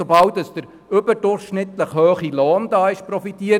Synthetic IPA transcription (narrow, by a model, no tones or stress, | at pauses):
obɑwtəsd̥̪əɾ | ʏbəɾdʊɾχʃnɪt̪ləχhøːχiloːnd̥ɑːɪʃpɾɔfitiːəɾ